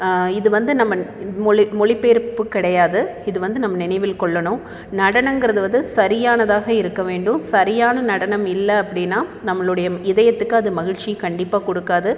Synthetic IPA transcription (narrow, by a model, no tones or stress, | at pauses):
ɪðɯʋɐnd̪ɯnɐmːɐmɔɭɪmɔɭɪpːeːɾɯpːɯkːɪɽɐjaːðɯɪðɯʋɐnd̪ɯnɐmːɐnɪnɐɪʋɪlkɔɭːɐɳʊ̃ | nɐɽɐɳɐŋɡɪɾɐðɯʋɐðɯsɐɾɪjaːnɐðaːɣɐɪɾɯkːɐʋeːɳɖɯmsɐɾɪjaːnɐnɐɽɐnɐmɪlːɐːpːɐɽɪnːaːnɐmːɐɭɯɽɐjɐɪðɐjɐt̪ːɯkːɯɐðɯmɐɣɪɻt͡ʃikɐɳɖɪpːaːkɔɽɯkːaːðɯ